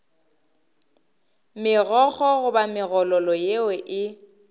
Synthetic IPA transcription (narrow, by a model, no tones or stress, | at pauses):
mɪɣɔɣɔɣʊbamɪɣɔlɔlɔjewɛʔɪ